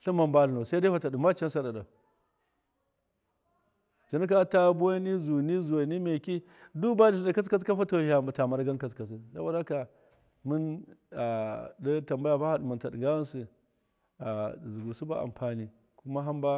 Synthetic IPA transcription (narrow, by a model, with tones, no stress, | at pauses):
ɬi˦ma˨mba˦ɬu˨no˨sa˦da˦fa˨ta˨du˨ma˦t͡ʃa˦n˦sa˦da˨da˨ | t͡ʃi˨ni˦k̬a˦ta˦bu˦a˦ni˦zu˨ni˦zu˨wa˨ni˦me˨ki˦ | du˦ba˦˨da˨ka˦s̬ka˦ska˦fa˦to˨a˨ta˨ma˨ɾɡa˦nka˨ska˨s̬i˨sa̰˦bo˨da˦ka˨ | mi˦na˨di˦ta˨mba˦ja˨ba˦ha˦˨dmu˨nta˨dɡa˦wa˦nsi˨ | a˨zu˨ɡu˨su˦ba˦a̰˨mpa˨ni˦ | ku˦ma˦ɦa˦mba˦